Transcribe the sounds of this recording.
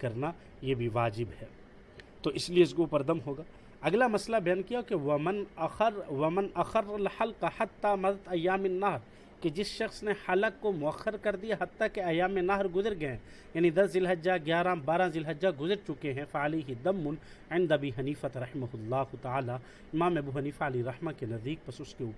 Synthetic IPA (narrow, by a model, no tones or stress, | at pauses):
kɐɾna | jebʱiʋaːd͡ʒɪbɦɛː | t̪oːʔɪslijeʊsɡupɐɾd̪ɐmɦoːɡaː | ɐɡlamɐslabɐjaːnkijaɦkewɐmɐnɐxɐɾwɐmɪnɐxɐɾːɐlħɐlqaħɐt̪ːaːmɐd̪əd̪ɐjːaːmɪnːɐɦɾ | ked͡ʒɪsʃɐxsneħɐləkkːomʊɐxːəɾkɐɾd̪ijaɦɐt̪ːakeɐjːaːmẽnːɐɦɾɡʊzəɾɡɐẽ | jaːnĩd̪ɐszɪlɦɐd͡ʒd͡ʒaɡjaːɾãbaːɾãzɪlɦɐd͡ʒd͡ʒaɡʊzəɾt͡ʃʊkeɦɛ̃fɐɐleːɦɪd̪ɐmːʊn | ʕɪ̃nd̪ɐbiːɦɐniːfat̪ɾɐħɪmɐɦʊlːaːɦʊt̪ɐaːlaː | ɪmaːmɐbuːɦɐniːfaɐliɾɐhmakenɐzd̪iːk̚pɐsʊskeuːpɾ